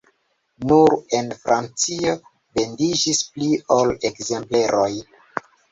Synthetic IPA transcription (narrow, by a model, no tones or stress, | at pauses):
nuɾe̞nfɾant͡sio | be̞ndid͡ʒispliolekze̞mple̞ɾʔoj